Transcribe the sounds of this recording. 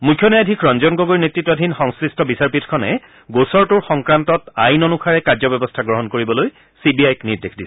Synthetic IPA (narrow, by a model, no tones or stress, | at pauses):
mukʰjɔnajadʱikʰɹɔnzɔnɡoɡojnetɹitːwadʱinxɔŋskɹistʰɔbisaɹpitʰkʰɔnɛ̰ | ɡosɔɹtʊɹxɔŋkɹantɔtajnɔnukʰaɹɛkaɹzɔbɛbɔstʰaɡɹɔɦɔnkoɹibɔloj | sibiajkniɹdekʰdisɛ̥